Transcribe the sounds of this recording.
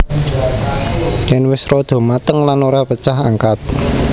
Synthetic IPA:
jɛnwɪsɾɔd̪̥o̤mat̪əŋlanoɾapət͡ʃaɦaŋkat̪̚

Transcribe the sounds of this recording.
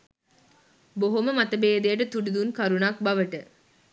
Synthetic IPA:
boɦoməmat̪əbeːd̪ejəʈət̪uɖud̪unkaɾunak̚bɐʋəʈə

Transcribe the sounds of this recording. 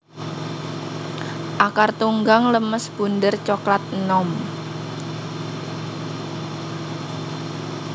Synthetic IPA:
ʔakart̪uŋɡaŋləməsb̥ṳnd̪ərt͡ʃɔklat̪̚nɔm

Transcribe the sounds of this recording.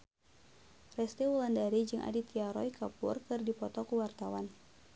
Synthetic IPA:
rɛst̪iwulandaɾid͡ʒɨŋʔa̰dit̪iaɾɔjkʰapṵrkɨrdipɔt̪ɔkuwart̪awan

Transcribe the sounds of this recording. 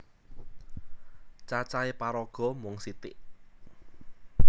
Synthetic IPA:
t͡ʃat͡ʃaepaɾɔɡ̥ɔ̤mʊŋsit̪ɪʔ

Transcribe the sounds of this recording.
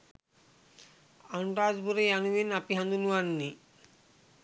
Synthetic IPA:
aɳʈazbuɾejanuminapiɦãnd̪unuanːi

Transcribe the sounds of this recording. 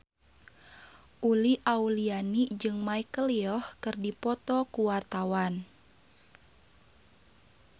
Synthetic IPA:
ʔuliʔaulianid͡ʒɨŋmaikəliɔhkɨrdipɔt̪ɔkuwart̪awan

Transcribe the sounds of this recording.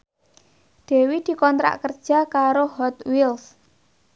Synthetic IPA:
d̪̥e̤wid̪̥i̤kɔnt̪ɾa̰ʔkərd̥ʒ̥a̤kaɾoɦɔt̪wils

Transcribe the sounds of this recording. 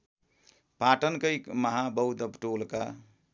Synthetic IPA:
paʈənkəjkməɦabəwd̪əbʈoːlka

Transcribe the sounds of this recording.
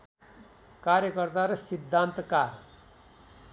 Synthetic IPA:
kaɾjʌkʌrt̪aɾʌsid̪ʱːant̪kar

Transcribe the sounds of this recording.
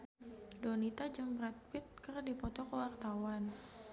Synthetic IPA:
donit̪ad͡ʒəmbɾat̪̚pɪt̪̚kərdipɔt̪ɔkəwart̪awan

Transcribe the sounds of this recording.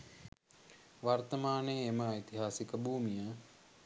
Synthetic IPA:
ʋart̪əmaːnejːməit̪iɦaːsikəbʱuːmijə

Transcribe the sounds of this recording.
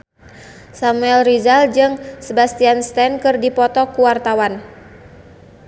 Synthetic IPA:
samuɛlrizald͡ʒɨŋsəbast̪ianst̪ɛnkɨrdipɔt̪ɔkuwart̪awan

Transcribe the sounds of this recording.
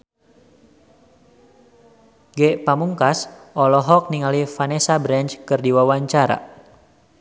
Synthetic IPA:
ɡɛʔpamuŋkasʔɔlɔɦɔk̚niŋalifanɛsabɾɛnt͡ʃkɨrdiwawaɲt͡ʃaɾa̰

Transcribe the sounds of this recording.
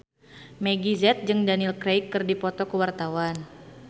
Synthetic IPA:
meɡizɛt̪̚d͡ʒɨŋdanilkɾejkːɨrdipɔt̪ɔkəwart̪awan

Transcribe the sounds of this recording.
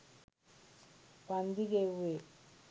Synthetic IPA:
pand̪iɡewe

